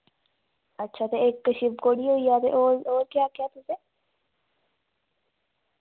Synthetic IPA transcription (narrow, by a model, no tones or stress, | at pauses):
ɐtːʃʰat̪eeːkːəʃibkoːɽioijat̪ḛʔoːɾoːɾkjaːkjat̪ʊse